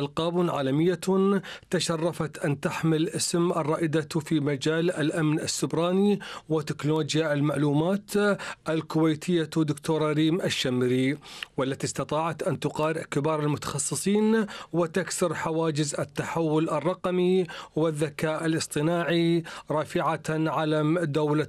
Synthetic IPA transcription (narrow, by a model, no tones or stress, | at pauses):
ʔalqɑːbnʕa̰ːlamɪjːat̪aʃɑrˤːɑfat̪ʔant̪aħmɪlʔɪsmʔɑrˤːɑːʔɪd̪at̪fimad͡ʒaːlalʔamnʔasːʊbɾɑːniwɪt̪ɪknoːd͡ʒjaɪlmaʕluːmaːt̪ʔalkʊwejt̪ʰɪjːad̪ʊkt̪ʰoːɾˤaɾiːmʔaʃːamɾiwalːat̪ist̪ɑt̪ˤɑːʕat̪ʔant̪ʊqɑːɾɪʕkɪbɑːɾˤɪlmʊt̪ḁxɑsˤːɨsˤiːnwɪt̪aksɪɾħawaːd͡ʒɪzɪt̪ːaħawːʊlʔɑrˤːɑqmiwɪðːakaːʔalʔɨsˤt̪ˤɨnaːʕiɾˤɑːfɪʕaʕalamd̪awla